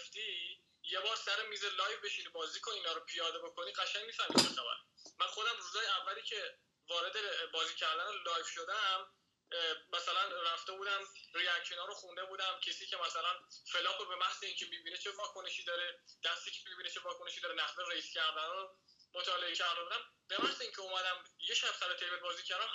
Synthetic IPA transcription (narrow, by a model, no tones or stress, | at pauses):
ft̪i | jebɒːɾsæɾemiːzelɒːjvbe̞ʃinibɒːziːkʰoiːnɒːɾopʰijɒːd̪ebo̞kʰo̞niɢæʃæŋmiːfæhmiːbexæbæ̰ɾmænχo̞d̪æmruːzɒːjeævːæliːcʰe̞ | vɒːɾe̞d̪ebɒːziːcʰæɾd̪ænolɒːjvʃo̞d̪æmː | æsælænræft̪e̞buːd̪æmriækʃonɒːɾoxund̪e̞buːd̪æmcʰesiːcʰe̞mæsælænfe̞lɒːqobe̞mæhz̥eiːŋcʰemibiːnet͡ʃʰevɒːkʰoneʃiːd̪ɒːɾed̪̥æst̪iːcʲʰe̥mibinet͡ʃʰevɒːkone̞ʃid̪ɒːɾenæxzeɾeiscʰæɾd̪ænɒːɾo | mot̪ʰɒːle̞ecʰæɾd̪ebuːd̪æmb̥e̞mæhz̥eiːŋcʰeomæd̪æmjeʃæbsæɾot̪ʰejvet̪̚bɒːziːcʰæɾd̪æn